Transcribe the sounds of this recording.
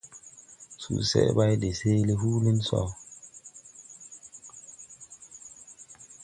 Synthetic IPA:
sṵ˨sɛ̰˦ba˦jde˨se˦li˦hu˦li˦nsɔ̰˦˨

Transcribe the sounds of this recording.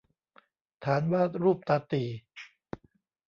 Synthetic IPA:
t̪ʰaː˩˦nwaː˥˩t̪̚ɾuː˥˩p̚t̪aː˧t̪iː˨˩

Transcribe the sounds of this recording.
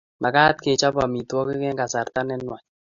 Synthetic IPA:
ma˨kaː˦t̪̚ke˨t͡ʃɔ˦ba˨mi˨twɔ˦kɪ˦kɛ˦ŋɡa˨sa˨ɾt̪a˦nɛ˦nwɔ˨ɲ

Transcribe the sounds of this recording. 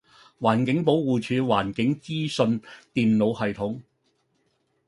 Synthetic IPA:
waː˨˩nkɪ˨˥ŋpo˨˥wwuː˨t͡ʃʰyː˨˧waː˨˩nkɪ˨˥ŋt͡siː˥sɵ˧nt̪iː˨mno˨˧whɐ˨jt̪ʰʊ˨˥ŋ

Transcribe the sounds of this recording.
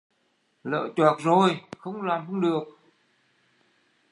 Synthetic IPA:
lə̰ː˧˨t͡ɕaː˨˩t̚zo˨˩jxə˧wŋ͡mlaː˨˩mhə˧ŋɗɨ˨˩ək̚

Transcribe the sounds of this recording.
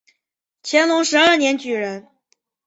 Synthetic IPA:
t͡ɕʰjɛ˧˥nlʊ˧˥ŋʂɻ̩˧˥ə˞˥˩njɛ˧˥nt͡ɕy˨˩ɻə˧˥n

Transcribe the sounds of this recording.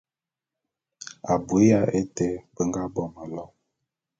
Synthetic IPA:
a˨bu˨˦a˦e˦te˦bə˦ŋɡa˦bɔ˦˨mə˨lɔ˦˨

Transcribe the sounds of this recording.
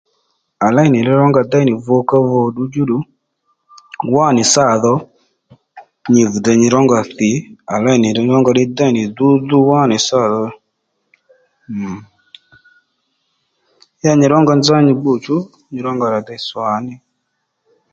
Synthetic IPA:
a˨la˦i˨ni˨ɾɛ˦ɾɔ˦ŋɡa˧˨da˦i˦ni˨vɔ˧˦ka˦vɔ˧ɗu˦d͡ʒu˦ɗu˨˦ | wa˦˨nɪ˨sa˦˨ðɔ˧˦ | ɲi˨vu˨da˧˨ɲi˧ɾɔ˦ŋɡa˨θi˨˦a˨la˦i˨ni˨ɾɛ˧˦ɾɔ˦ŋɡɔ˧ɗɪ˦da˦i˨nɪ˨du˦du˦wa˦˨nɪ˨sa˦˨ðɔ˧˦˨ | ja˦ɲi˨ɾɔ˦ŋɡɔ˧nd͡za˦ɲi˧ɡ͡bu˦˨t͡ʃu˦ | ɲi˧ɾɔ˦ŋɡa˨ɾa˨da˦i˨swa˨˦nɪ˧

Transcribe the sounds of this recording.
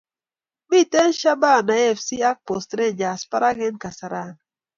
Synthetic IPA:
mi˦˨tɛ˦nʃa˦ba˦˨na˨ɛ˦˨fsi˦a˦k̚pɔ˨stɾe˦˨d͡ʒa˨spa˦ɾa˦ɡɛ˦nka˨sa˨ɾa˦˨n

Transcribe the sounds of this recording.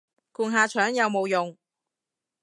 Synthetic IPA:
kuː˨nɦaː˨˧t͡ʃʰœː˨˥ŋjɐ˨˧wmo˨˧wjʊ˨ŋ

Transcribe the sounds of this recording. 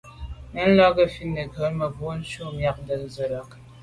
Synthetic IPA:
nə˦n̩˦lɔ˦ɡə˦fi˦nːə˨ɡʱə˨˦lmə˨ɡu˨˦n̩˦ʃo˦mja˨k̚də˨n˦zə˨ɾə˨k

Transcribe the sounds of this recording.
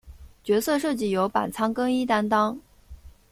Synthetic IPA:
t͡ɕɥɛ˧˥sɤ˥˧ʂɤ˥˧t͡ɕi˥˩jo˧˥ʊpa̰˨˩nt͡sʰɑ˥ŋkɤ˥ŋi˥t̪a˥nt̪ɑ˥ŋ

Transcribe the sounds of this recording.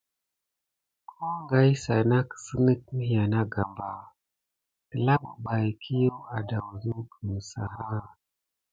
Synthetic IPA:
kʰo˦ŋɡa˦jsa˨na˦kə̥˨sə˦nə˦k̚mi˦ja˨na˦ɡa˨mba˨ | tə˨la˦ɓṵ˨ɓa˨jkʰi˦jo˦a˨da˨wu˨zu˦ɡə˨m˨sa̰˨ɦa˦

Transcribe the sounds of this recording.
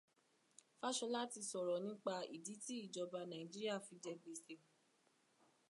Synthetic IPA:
fa˦ʃɔ˧la˦ti˧sɔ˨ɾɔ˨nĩ˦k͡pa˧ḭ˨di˨˦ti˦i˦˨d͡ʒɔ˧ba˧nã˨ĩ˨d͡ʒi˦ɾi˦a˦˨fi˧d͡ʒɛ˧ɡ͡be˨se˧˨

